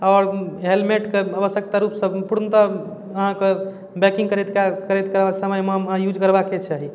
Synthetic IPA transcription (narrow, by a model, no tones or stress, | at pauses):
ɔɾɦelmeʈkeəbəsjək̚t̪aɾupsəbpuɾnət̪ə | əɦãke | bɛkĩŋkəɾɛet̪kakəɾɛet̪kəɾasəməjmə̃jud͡ʒkəɾbaket͡ʃʰaɦi